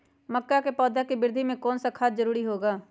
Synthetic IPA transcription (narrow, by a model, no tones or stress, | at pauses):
məkːakepɔːd̪ʱakebɪɾd̪ʱimẽkɔːnsakʰaːt̪zəɾuːɾiɦoːɡaː